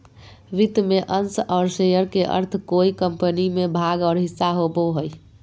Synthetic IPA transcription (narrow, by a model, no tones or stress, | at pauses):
ɾit̪meʔənsɔːɾsejəɾkeʔə̰ɾt̪ʰkoikəmpənimebʱaɡɔːɾɦisːaɦoboɦəj